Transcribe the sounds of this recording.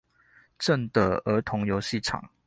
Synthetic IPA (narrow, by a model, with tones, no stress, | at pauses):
ʈ͡ʂə˥˨ŋd̪ə˩ə˧˥t̪ʰʊ˧˥ŋjo˧˥ʊɕi˥˨ʈ͡ʂʰɑ̰˨˩˦ŋ